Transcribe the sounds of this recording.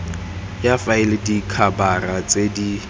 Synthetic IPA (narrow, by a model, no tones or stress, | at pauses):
jafaɪlɪdikʰabarat͡sʼedi